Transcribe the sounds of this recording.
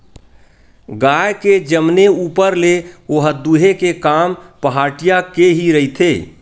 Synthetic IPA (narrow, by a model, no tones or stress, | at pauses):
ɡajked͡ʒəmneupəɾleoɦəd̪uɦekekaːmpəɦaːʈijakeɦiɾəɦit̪ʰe